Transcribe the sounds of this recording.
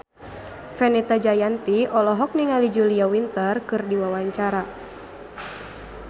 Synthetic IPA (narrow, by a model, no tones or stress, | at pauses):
fɛnɛt̪ad͡ʒajant̪iɔlɔɦɔk̚niŋalid͡ʒuliawint̪ərkɨrdiwawaɲt͡ʃaɾa